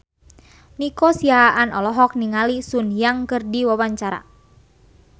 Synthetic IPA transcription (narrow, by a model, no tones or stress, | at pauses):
nikɔsiaʔanɔ̰lɔɦɔk̚niŋalisunjaŋkɨrdiwawaɲt͡ʃaɾa̰